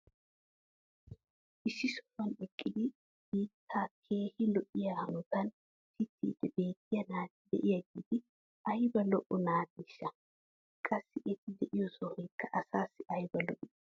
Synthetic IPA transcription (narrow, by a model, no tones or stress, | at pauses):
ʔɪʃːɪsɔ̥fɐnɛkʼːɪd̪ɪ | ɡiːt̪ʰːaːkʰe̞ːhɪlɔʔɪjaːhɐnɔt̪ɐn | t̪ɪt̪ːḭːd̪̥ɛbe̞ːt̪ːɪjɐnaːt̪ɪd̪ɛ̰ʔɪjɐɡiːd̪ɪ | ʔɐjbɐlɔʔɔnaːt̪ɪʃːɐ | kʼɐsːɪʔɛt̪ɪd̪ɛʔɪjɔsɔhɛjkːɐʔɐsaːsːɪɐjbɐlɔʔɪ